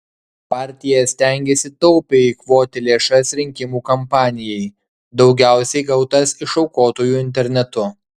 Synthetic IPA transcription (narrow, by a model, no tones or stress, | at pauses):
pɑːɾʲt̪ʲɪjɛsʲt̪ʲæŋʲɡʲesʲɪt̪ɔʊpʲeːiːkʋoːt̪ʲɪlʲeːʃɐsɾʲɪŋʲkʲɪmuːkɐmpɑːnʲɪjɛɪ | d̪ɒʊɡʲæˑʊsʲɛɪɡɐʊt̪ɐsɪʃɒʊkoːt̪oːjuːɪnʲt̪̬ʲɛɾʲnʲɛt̪ʊ